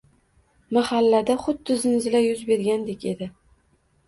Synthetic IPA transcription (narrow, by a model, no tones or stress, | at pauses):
mahalːad̪aχʊd̪ːɪzɪnzɪlajʊzbe̞ɾɡʲand̪ekʲe̞d̪ɪ